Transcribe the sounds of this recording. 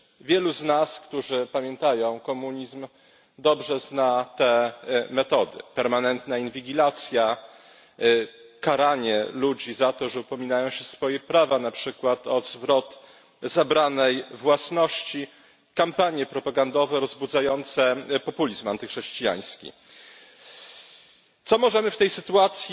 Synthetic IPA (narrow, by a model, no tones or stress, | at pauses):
vʲjɛluznaskt̪uʐɘpamʲjɛnt̪ajɔ̃w̃kɔmuɲizm | d̪ɔbʐɛznat̪ɛmɛt̪ɔd̪ɘ̰pɛɾmanɛnt̪nainvʲiɡʲilat̪sʲja | kaɾaɲɛlud͡ʑizat̪ɔʐɛupɔmʲinajɔ̃w̃ɕɛsfɔjɛpɾavanapʂɘkwat̪ɔzvɾɔt̪ | zabɾanɛjvwasnɔɕt͡ɕi | kampaɲjɛpɾɔpaɡand̪ɔvɛɾɔzbud̪zajɔnt̪sɛpɔpulʲizmant̪ɘxʂɛɕt͡ɕija̰j̃skʲḭ | t̪sɔmɔʐɛmɘft̪ɛjsɘt̪uat̪sʲj